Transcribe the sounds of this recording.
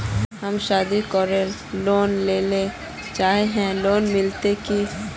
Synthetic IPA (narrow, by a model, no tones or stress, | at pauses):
ɦɐmʃaːd̪ikɔːɾel | loːnleːle | t͡ʃaːɦeɦɛ̃loːnmɪlt̪eki